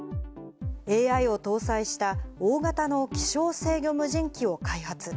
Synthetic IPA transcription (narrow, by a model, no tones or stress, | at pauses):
e̞ːaio̞t̪o̞ːsaiɕi̥t̪aoːɡat̪ano̞kʲi̥ɕo̞ːse̞ːɡʲo̞mɯ̟ʑĩŋkʲio̞kaihat͡sɨ